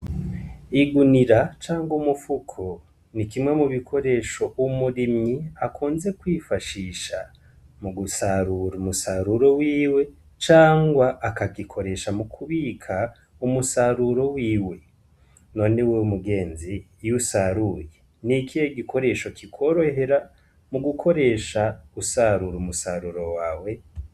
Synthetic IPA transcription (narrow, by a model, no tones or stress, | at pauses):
iɡuniɾat͡ʃaːŋɡumufukʰo | nikimwe̞muβikʰo̞ɾe̞ʃo̞ʔumuɾimɲiakʰuːnze̞kwiːfaʃiːʃa | muɡusaɾuɾumusaɾuɾo̞wiːwe̞ | t͡ʃaːŋɡwaʔːkaɡikʰo̞ɾe̞ʃamukʰuβikʰa | umusaɾuɾo̞wiːwe̞ | no̞neweumuɡe̞ːnzi | jusaɾuje | nikʰijeɡikʰo̞ɾe̞ʃo̞kikʰo̞ɾo̞ɦe̞ɾa | muɡukʰo̞ɾe̞ʃausaɾuɾumusaɾuɾo̞waːwe̞